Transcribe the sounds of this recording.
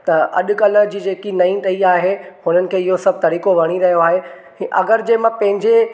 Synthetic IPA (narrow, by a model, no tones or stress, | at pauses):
t̪ɐʔɐ̰ɗʊ̆kɐlə̆d͡ʑiːd͡ʑeːkinɐĩʈɐiaːɦehʊnənɪ̆kʰeːɪɦosɐb̚ʱt̪ɐɾiːkoʋɐɽ̃iɾɐɦijoaːɦe | ĩʔɐ̰ɡəɾd͡ʑeːmãpɐ̃ɦɪ̃ɲd͡ʑe